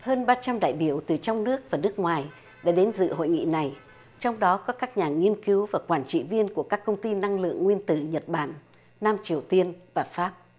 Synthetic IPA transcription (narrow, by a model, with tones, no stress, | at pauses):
həː˧nɓaː˧t͡ɕa˧mɗa̰ː˧˨jɓi˧˩əwt̪ɨ˨˩t͡ɕɔ˧wŋ͡mnɨ˦˥ək̚vaː˨˩nɨ˦˥ək̚ŋwaː˨˩j | ɗa̰ː˧˥ɗe˨˦nzɨ̰˧˨ho̰˧˨jŋḭ˧˨na˨˩j | t͡ɕɔ˧wŋ͡mɗɔ˨˦kɔ˨˦kaː˦˥k̚ɲaː˨˩ŋi˧ənki˨˦wvaː˨˩kwaː˧˩nt͡ɕḭ˧˨vi˧ənku˧˩əkaː˦˥kːə˧wŋ͡mt̪i˧na˧ŋlɨ̰˧˨əŋːwi˧ənt̪ɨ˧˩ɲə˨˩t̚ɓa̰ː˧˩nː | aː˧mt͡ɕi˨˩əwt̪i˧ənvaː˨˩faː˦˥p̚